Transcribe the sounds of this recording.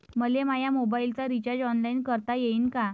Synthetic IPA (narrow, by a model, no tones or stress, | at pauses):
məlemajamobailt͡saɾit͡ɕəɾd͡ʑɔnlainkəɾt̪ajeiːnka